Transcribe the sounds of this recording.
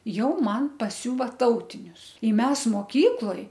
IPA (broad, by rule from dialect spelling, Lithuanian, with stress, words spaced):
ˈjɛʊ ˈmɐn pɐˈsʲuːʋɐ ˈtɐʊtʲɪnʲʊs ɪ ˈmʲɛs moːˈkʲiːklˠoːj